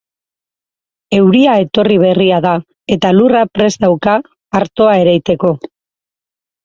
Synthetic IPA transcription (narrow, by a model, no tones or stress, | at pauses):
e̞wɾiae̞t̪o̞riβ̞e̞riaða | e̞t̪alurapɾe̞zd̪awkaː | ɾt̪o̞ae̞ɾajt̪e̞ko̞